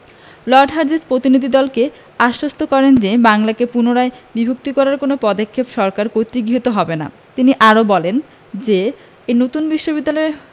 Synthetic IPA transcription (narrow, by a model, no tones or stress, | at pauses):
lɔɾɖɦaɾd͡ʑespɾot̪inid̪ʱid̪ɔlke | aʃɾost̪ʰokɔɾend͡ʑebaŋlakepunoɾaebibʱok̚t̪ikɔɾaɾkonopɔd̪okʰːepʃɔɾkaɾkojt̪ɾiɡiɦot̪oɦɔbena̰ | t̪iniʔaɾobɔlen | d͡ʑe | enot̪unbiʃːobid̪ːalɔe